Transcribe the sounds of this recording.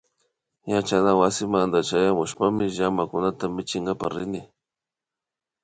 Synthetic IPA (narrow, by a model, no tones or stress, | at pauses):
jat͡ʃanawasɪmand̪at͡ʃajamʊʃpamɪʒamakʊnat̪amɪt͡ʃɪŋɡapa̰ɾɪnɪ